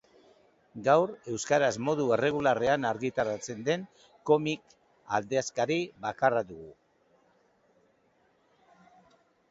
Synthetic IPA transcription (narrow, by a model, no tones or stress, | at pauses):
ɡawɾe̞wskaɾazmo̞ðue̞re̞ɣulare̞anaɾɣit̪aɾat͡se̞nd̪e̞ŋ | ko̞mik | a̰ld̪e̞askaɾiβakaraðuɣu